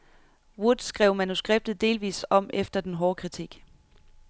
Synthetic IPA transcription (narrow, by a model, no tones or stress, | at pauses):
wud̥sɡ̥ʁɛʊ̰mænusɡ̥ʁeb̥̚d̥ð̩ˠd̥e̝ːlʋḭːsɒ̽m̰efd̥ɐd̥enɦɒːkʰʁit͡sʰiɡ̥